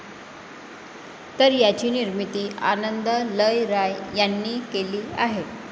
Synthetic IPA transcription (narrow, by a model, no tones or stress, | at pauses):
t̪əɾjat͡ɕiːniɾmit̪iːʔa̰nənd̪ələjɾajjanːiːkeliːaɦe